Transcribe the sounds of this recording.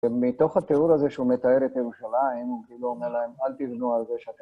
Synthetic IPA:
mit̪o̞χhat̪eudazeʃeume̞t̪aeɾet̪ajeʁuʃalaimukiluomeɾlaemalt̪ivnualzeʃeat̪e

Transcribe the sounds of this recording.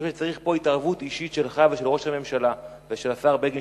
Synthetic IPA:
ʃet͡saʁiχpo̞itaʁvutiʃitʃe̞lχaveʃelʁo̞ʃhame̞mʃala | veʃelasaʁbeɡi

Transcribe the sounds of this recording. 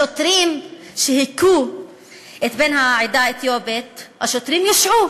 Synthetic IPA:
ot̪ɾimʃehiku | et̪benhaʕid̪aet̪jobet̪haʃot̪ʁimjaʃʕu

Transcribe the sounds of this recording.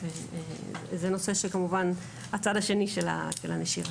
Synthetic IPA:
vḛ | zeno̞se̞ʃekamuvan | at͡sadaʃe̞niʃela̰ʃelaneʃiʁa

